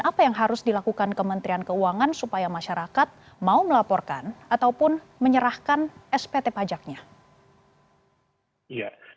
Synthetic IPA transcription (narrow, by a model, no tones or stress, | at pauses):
apajaŋɦaɾʊsdilakukankəmənt̪ɾiankəuaŋansupajamaʃaɾakat̪̚ | mauməlapɔrka̰nat̪awpʊn | məɲəɾahkanɛspet̪epad͡ʒak̚ɲa | ja